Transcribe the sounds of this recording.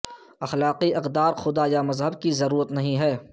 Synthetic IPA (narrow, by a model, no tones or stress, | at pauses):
ɐxlaːqiʔɐqd̪aːɾxʊd̪ajamɐzɦəbkizɐɾuːɾət̪nɐɦĩɦɛː